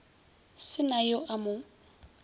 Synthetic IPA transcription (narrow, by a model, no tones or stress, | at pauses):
sɪnajoʔamʊ